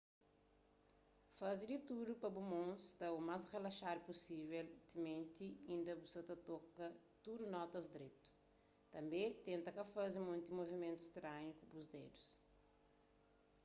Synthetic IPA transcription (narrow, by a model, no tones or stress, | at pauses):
fazid̪it̪uɾupɐbumõst̪ɐumasʁelɐʃaɾupusivɛlt̪imẽnt̪iĩnd̪ɐbuset̪ɐt̪okɐ | t̪uɾunɔt̪ɐzd̪ɾet̪u̥ | t̪ɐ̃mbẽt̪ẽnt̪ɐkɐfazimũj̪̃t̪imovimẽnt̪u̥st̪ɾaʒikubuzd̪ed̪us